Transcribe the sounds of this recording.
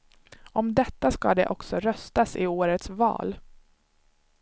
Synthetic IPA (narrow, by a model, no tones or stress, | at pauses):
ɔmd̪ɛt̪ːaska̰d̪ɛʔɔksɔɾœst̪asɪoːɾət̪svɑ̰ːl